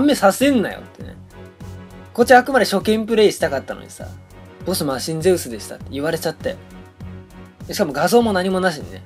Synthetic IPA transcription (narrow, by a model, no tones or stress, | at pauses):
amːesasẽ̞nːajo̰t̪ːenḛ | ko̞t͡ɕːiakɯ̟mad̪e̞ɕo̞kẽ̞mpɯ̟ɾe̞iɕi̥t̪akat̪ːano̰ɲ̟ḭ̥sa̰ | b̥o̞sɨmaɕĩnzeɯsɨd̪e̞ɕi̥t̪a̰t̪ːeiβaɾe̞t͡ɕat̪ːe̞̰ | ɕi̥kamo̞ɡazo̞ːmo̞naɲ̟imo̞naɕ̬ine̞̰